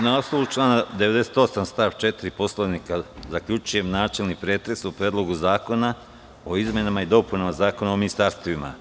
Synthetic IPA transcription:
naost̪olut͡ʃlˠaːnad̪eʋe̞d̪ese̥t̪o̞samst̪aːʋt͡ʃe̞t̪iɾipo̞sloʋnikazakʎʲut͡ʃuje̞mnaːt͡ʃe̞lnipɾeːt̪ɾe̞supɾeːd̪lˠo̞ɡuzaːko̞na | o̞izme̞namaid̪o̞punamazaːko̞naominist̪aːɾst̪oʋima̰

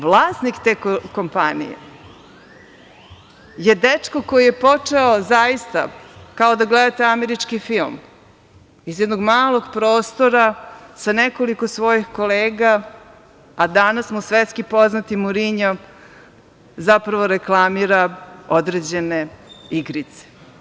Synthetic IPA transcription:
ʋlˠaːsnikt̪ekko̞mpanḭjḛ | jed̪et͡ʂkokojije̞po̞t͡ʂeozajist̪a̰kao̞d̪aɡled̪at̪eameɾit͡ʂkifilˠm | izjed̪no̞ɡmaːlˠo̞ɡpɾoːst̪oɾasaneko̞liko̞sʋo̞jixko̞leːɡaː | d̪anasmusʋet̪skipo̞znat̪imuɾiɲam | zapɾaʋo̞ɾe̞klˠamiɾao̞d̪ɾed͡ʑe̞neiɡɾit̪se̥

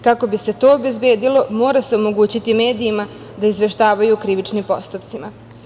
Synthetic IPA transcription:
kako̞bise̞t̪o̞ːbe̞zbe̞ːd̪ilo̞mo̞ːɾase̞o̞mo̞ɡuːt͡ɕit̪ime̞ːd̪iːma | d̪aizʋe̞ʃt̪aːʋajukɾiʋit͡ʃnimpo̞̰st̪upt̪ima

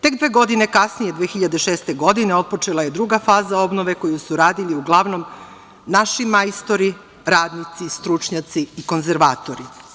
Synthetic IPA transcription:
t̪e̞kd̪ʋeɡo̞d̪ine̞kasnije̞d̪ʋeːxiʎad̪e̞ʃeːst̪e̞ɡo̞d̪ine̞o̞t̪̚po̞t͡ʃelˠaje̞d̪ɾuɡafaːzao̞bnoʋe̞ko̞jusuɾaːd̪iliuɡlˠaʋno̞m | naʃimajst̪o̞ɾi | ɾaːd̪nit̪sist̪ɾut͡ʃɲat̪siːko̞nzeɾʋaːt̪oɾi

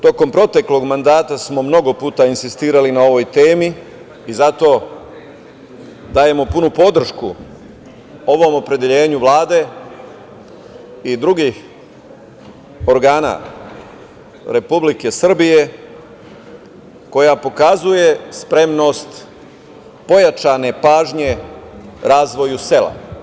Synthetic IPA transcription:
t̪o̞ko̞mpɾo̞t̪e̞klo̞ɡmand̪aːt̪asmo̞mno̞ɡo̞puːt̪ainsist̪iːɾalinao̞ʋo̞jt̪e̞ːmiː | zat̪o̞ː | d̪aːje̞mo̞punupo̞d̪r̩ʃku | o̞ʋo̞mopɾe̞d̪eʎe̞ːɲuʋlaːd̪e̞ | id̪ɾuɡix | o̞ɾɡaːna̰ | ɾe̞publike̞sr̩bije̞ | ko̞japo̞kazuje̞spɾe̞mno̞ːst̪ | po̞jat͡ʃane̞paːʒɲe̞ | ɾaːzʋo̞juse̞lˠa̰

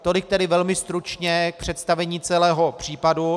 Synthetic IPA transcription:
t̪o̞lɪk̚t̪ɛdɪvɛlmɪst̪ɾut͡ʃɲɛk̚pr̝̥ɛt̪st̪avɛɲiːt͡sɛlɛːɦo̞pr̝̥iːpadu

